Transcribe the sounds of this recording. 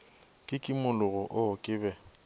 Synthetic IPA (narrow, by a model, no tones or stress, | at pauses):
kʼɪkʼɪmʊlʊɣɔʔʊkʼɪːbɛ